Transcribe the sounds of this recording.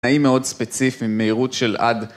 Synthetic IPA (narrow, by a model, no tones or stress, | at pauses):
aimeo̞dspet͡sifiimːeiʁutʃe̞la̰d̪